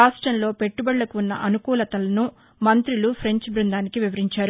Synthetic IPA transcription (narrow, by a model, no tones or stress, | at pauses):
aːʂʈɾɐmlo̞ːpe̞ʈːubɐɽːɐkuunːɐ̰ʔɐnukuːlɐt̪ɐlɐnu | mɐnt̪ɾilupʰɾe̞ɲt͡ʃbɾind̪aːnikiʋiʋɐɾiɲt͡ʃaːɾu